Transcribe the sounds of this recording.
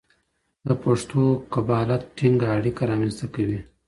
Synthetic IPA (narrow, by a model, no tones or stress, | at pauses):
d̪əpaʂt̪oqabɑːlat̪̚ʈiŋɡaːɽikaɾɑmenst̪akawi